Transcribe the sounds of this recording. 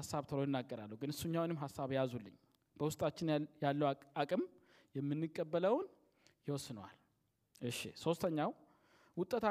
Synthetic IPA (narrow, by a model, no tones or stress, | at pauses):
asːaβt̪ʰəlojɪnːaɡːəɾalːəwɡɨnɨsːuɲːawnɨmɦasːaβjazulːɨ̰ɲː | b̥əwʊst̪ʼat͡ʃːɪnjalːəwakʼɨm | jɛmːɨnːɨkʼːəbːələwn | jɪwɔsːɨnwa̰l | ʔɨʃːɪ̰so̞st̪ʰəɲːaw | wʊt̪ʼːət̪ʰa